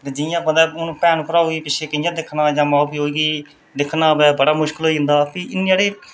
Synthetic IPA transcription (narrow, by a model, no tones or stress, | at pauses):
t̪eːd͡ʒɪjãːbənd̪ɛːʊnũːpɛːnkəɾaːuiːpɪt͡ʃʰeːkɪjãːd̪ɪkʰnaːjãːmaːpiːɦoːiːɡiː | d̪ɪkʰnaːbɛːbəɽaːmʊʃkəlɦoːiɪ̃nd̪aːpiːɪnːaːɽeː